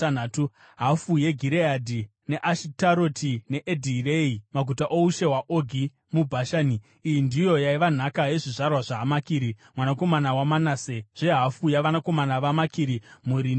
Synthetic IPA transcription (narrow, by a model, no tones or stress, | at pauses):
anaːtu | ɦafuje̞ɡʱiɾeadʱi | ne̞ʔaʃitaɾo̞tʰine̞ʔedʱireimaɡʱutaʔouʃe̞waʔoɡʱi | mubʱaʃaːniː | jindijo̞jaiʋan̤akaje̞ʐiʐarwaʐaːmakiːɾimwanako̞manawamanaseʐ̥eɦafujaʋanako̞manaʋamakiɾimuɾin